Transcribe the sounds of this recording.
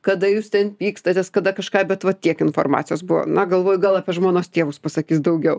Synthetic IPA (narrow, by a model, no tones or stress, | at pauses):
kɐd̪ɐjuːst̪ʲɛnpʲiːkst̪ɐt̪ʲeːskɐd̪ɐkɐʃkɑːbʲɛt̪ʋɐt̪ʲiɛkɪnfo̰ːrmɑ̰ːtt͡sʲɪjoːsbʊʋo̰ːnɐɡɐlˠʋoːjʊɡɐlˠɑːpʲiɛʒmoːnoːst̪ʲeːʋʊspɐsɐkʲiːsd̪ɐʊɡʲɛʊ